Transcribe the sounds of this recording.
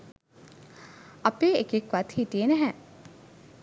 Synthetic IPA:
ɐpeːekekʋat̪hit̪ijenɛɦɛ̃

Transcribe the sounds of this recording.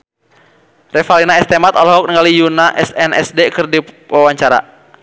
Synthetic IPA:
rɛfalinaɛst̪ɛmat̪ɔlɦɔk̚nəŋɡalijunaʔɛsɛnɛ̰sdɛkɨrdiwawaɲt͡ʃaɾa̰

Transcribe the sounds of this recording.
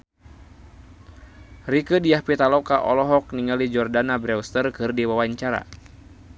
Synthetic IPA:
rikədijahpit̪alɔkaʔɔlɔɦɔk̚niŋalid͡ʒɔrdanabɾɛwst̪ərkɨrdiwawaɲt͡ʃaɾa̰

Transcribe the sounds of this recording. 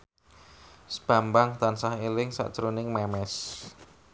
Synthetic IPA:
sb̥ambaŋt̪ansahelɪŋsa̰ʔt͡ʃɾunɪŋmɛmɛs

